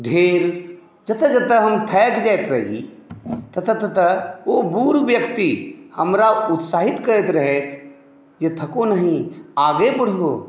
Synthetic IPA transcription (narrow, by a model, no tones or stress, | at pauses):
ɖʱeːɾ | d͡ʒət̪əd͡ʒət̪əɦəmt̪ʰɛːkd͡ʒaet̪ɾəḭ | t̪ət̪ʰət̪ət̪əobuːɾʋjəkt̪ihəmɾaʊt̪saːɦit̪kəɾet̪ɾəɦet̪ʰ | d͡ʒet̪ʰəkonəɦĩaːɡebəɽ̤ɦo